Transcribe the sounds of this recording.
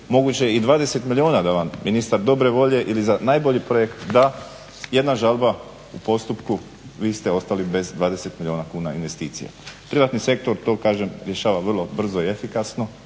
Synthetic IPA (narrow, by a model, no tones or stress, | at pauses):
mo̞ɡut͡ɕejeid̪ʋaːd̪e̞se̞t̪milʲio̞ːnad̪aʋamminist̪aɾd̪o̞bɾe̞ʋo̞ʎe̞ʔilizanajbo̞ʎipɾo̞je̞kt̪d̪a | je̞d̪naʒalˠba | upo̞st̪upku | ʋiːst̪e̞o̞st̪alibe̞zd̪ʋaːd̪e̞se̞t̪milʲioːnakuːnaḭnʋe̞st̪iːt̪sḭja̰pɾiʋaːt̪nise̞k̚t̪o̞ɾt̪o̞ːkaːʒemɾjeʃaːʋaʋrlˠo̞br̩zo̞iefikasno̞